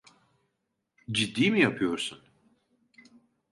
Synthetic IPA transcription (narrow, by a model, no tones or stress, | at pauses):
d͡ʒid̪ːiːmijapʰɯjo̞ɾsun